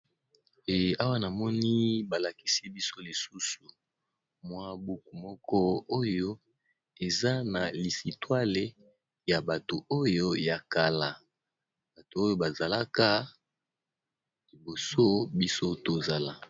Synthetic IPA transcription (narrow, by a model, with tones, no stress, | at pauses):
e˨a˦wa˦na˨mɔ˦ni˦ba˨la˨ki̥˦si˦bi˦so˦li˨su˦su˨ | mwa˦bu˦ku˨mɔ˦kɔ˦o˦jo˦ | e˨za˦na˨li˨si˨twa˦le˨ | ja˨ba˨to˨o˦jo˦ja˨ka˨la˨ | ba˨to˨o˦jo˦ba˨za˨la˦ka˦ | li˨bo˨so˦bi˦so˦to˨za˨la˦